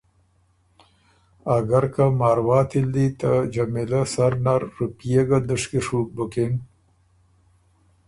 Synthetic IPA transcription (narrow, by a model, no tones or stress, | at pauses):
aɡaɾkamaːɾwɑːt̪ʰild̪it̪ad͡ʒamilasaɾnaɾːupijeɡad̪uʂkiʂuk̚buken